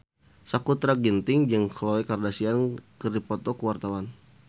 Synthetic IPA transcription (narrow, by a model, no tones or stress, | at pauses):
sakut̪ɾaɡint̪ɪŋd͡ʒəŋklowɛkardasiankərdipɔt̪ɔkuwart̪awan